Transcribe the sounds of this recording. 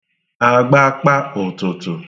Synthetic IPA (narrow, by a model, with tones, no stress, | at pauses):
a˨ɡ͡ba˦k͡pa˦ʊ˨tʊ˨tʊ˨